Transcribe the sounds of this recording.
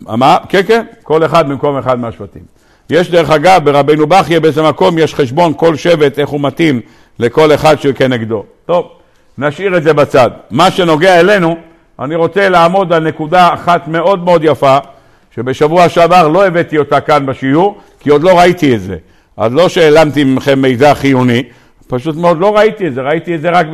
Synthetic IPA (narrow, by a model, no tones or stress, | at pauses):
a̰makenkenko̞le̞χad̪mimko̞meχad̪̚meaʃvatḭm | jeʃd̪eʁeχaɡavbeʁabejnubaχjebeeze̞mako̞mjeʃχe̞ʃbo̞nko̞lʃe̞ve̞t̪e̞χhumat̪im | le̞ko̞le̞χadʃekeneɡd̪o̞to̞v | naʃiʁetze̞bat͡sad̪maʃe̞no̞ɡeaele̞nu | ʔa̰niʁo̞t͡se̞leamo̞d̪alne̞kud̪aːχat̪me̞o̞d̪me̞o̞d̪jafa | ʃe̞be̞ʃavuaʃavaʁlo̞eve̞t̪io̞t̪akanbeʃijuʁ | kio̞d̪lo̞ʁait̪ietze̞̰ | ʔa̰dlo̞ʃeeːlamt̪iimχemːejzaχijuni | paʃut̪meo̞d̪lo̞ʁait̪iedze̞ʁait̪ietze̞ʁak